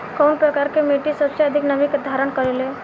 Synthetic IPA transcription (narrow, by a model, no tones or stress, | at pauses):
kownpɾəkaɾkemeʈisəpseəd̪ʱiknəʋikd̪ʱaɾəɳkəɾele